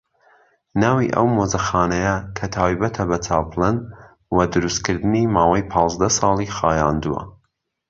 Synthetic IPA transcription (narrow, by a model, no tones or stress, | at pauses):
naːwḭʔɐ̰wmozɐxaːnɐjɐkʰɐt̪ʰaːwibɐt̪ʰɐbɐt͡sʰaːpʰlˠɨn | wɐd̪ɨɾust̪̚kɨɾd̪ɨnimaːwɐjpʰɑːzd̪ɐsɑːlˠixaːjaːnd̪uwɐ̰